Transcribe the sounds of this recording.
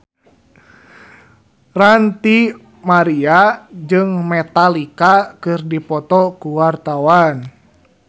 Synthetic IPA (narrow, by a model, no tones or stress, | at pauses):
rant̪i | maɾiad͡ʒɨŋmɛt̪alikakɨrdipɔt̪ɔkuwart̪awan